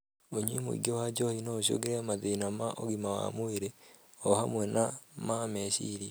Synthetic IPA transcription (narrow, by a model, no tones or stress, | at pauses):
oɲwḭmṵḭɡowad͡ʒɔhinooʃ̬o̰ɡeɾeamaðeinamaʔoɣimawa̰moeɾe | ɔhamwɛnamameʃḭɾi